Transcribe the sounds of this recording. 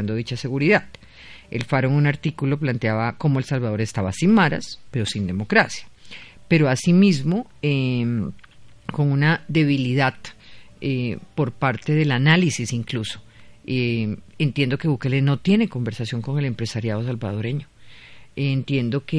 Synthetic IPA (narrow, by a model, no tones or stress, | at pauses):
and̪o̞ðit͡ʃase̞ɣuɾiðað | elfaɾoŋunaɾt̪ikulo̞plant̪eaβako̞moe̞lsalβað̞o̞ɾe̞st̪aβasinmaɾa̰spe̞ɾo̞sind̪emo̞kɾasjḁpe̞ɾo̞asimizmo̞e | ko̞ŋunaðe̞β̞iliðaðepo̞ɾpaɾt̪e̞ðe̞lanalisisiŋkluso̞̥eent̪je̞nd̪o̞ke̞βuke̞leno̞t̪je̞ne̞ko̞mbe̞ɾsasjo̞ŋko̞ŋe̞le̞mpɾe̞saɾjað̞o̞s̬albað̞o̞ɾe̞ɲo̞ | nt̪je̞nd̪o̞ke